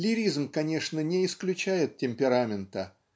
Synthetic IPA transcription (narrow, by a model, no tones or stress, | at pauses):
lʲɪɾʲizmkɐnʲe̞ʂnənʲɪɪsklʲʉt͡ɕæjɪt̪̚tʲɪmʲpʲɪɾamʲɪnt̪ə